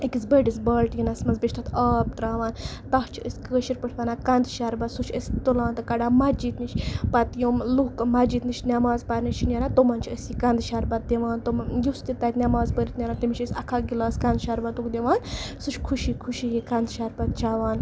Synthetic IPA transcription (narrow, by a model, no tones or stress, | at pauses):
ikisbəɖisbəlʈjinɐsmɐzbet͡ʃʰt̪at̪ʰaːb̚d̪ɾaːʋaːnt̪ɐht͡ʃʰəsʲkəʃiɾpəʈʰʋanaːkɐnd̪ʃaɾbɐt̪sut͡ʃʰəsʲt̪ulaːnt̪ɨkɐɖaːmɐd͡ʒiːt̪nit͡ʃʰʲpɐt̪joːmluɦkmɐd͡ʒiːt̪nit͡ʃʰʲnʲamaːzpaɾnit͡ʃʰinʲeɾaːt̪omɐnt͡ʃʰiəsikɐnd̪ʃaɾbɐt̪̚d̪eʋaːnt̪omjust̪it̪ɐt̪nʲamaːzpəɾit̪nʲeɾaːnt̪imit͡ʃəsʲɐkʰaːɡilaːskɐnd̪ʃaɾbɐt̪ukd̪eʋaːnsut͡ʃʰʲkʰuʃikʰuʃiːjikɐnd̪ʃaɾbɐt̪̚t͡ʃaʋaːn